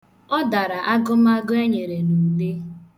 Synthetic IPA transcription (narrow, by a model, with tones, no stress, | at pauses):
ɔ˦da˨ɾa˨ʔa˦ɡʊ˦m˦a˦ɡʊ˦e˦ɲe˨ɾe˨nu˨de˦